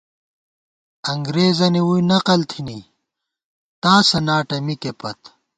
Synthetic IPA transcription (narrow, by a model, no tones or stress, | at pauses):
ɐŋɡɾeːzɐniwujnɐqɐlt̪ʰini | t̪aːsɐnaːʈɐmikepɐt̪